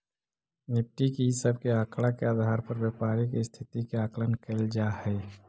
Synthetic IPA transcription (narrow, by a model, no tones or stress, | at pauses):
nɪp̚ʈikisəb̚keaːkɽakeəd̪ʱaːɾpəɾwjəpaːɾikist̪ʰɪt̪ikeaːklənkeld͡ʒahɛː